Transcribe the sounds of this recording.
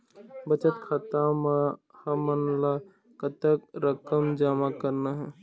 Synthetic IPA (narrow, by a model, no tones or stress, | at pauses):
bət͡ʃət̪kʰat̪amhamənla | kət̪əkɾəkəmd͡ʒaːmakəɾnaɦɛː